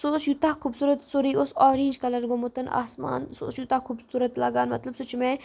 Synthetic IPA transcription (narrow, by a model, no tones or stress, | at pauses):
susjut̪aːhkʰubsuːɾɐt̪soɾiʔosɔːɾiːnʲd͡ʒkɐlɐɾɡomut̪ɐna̰ːsma̰ːnso̰sjut̪ahkʰubsuːɾɐt̪laːɡaːnmɐt̪lɐbsut͡ʃime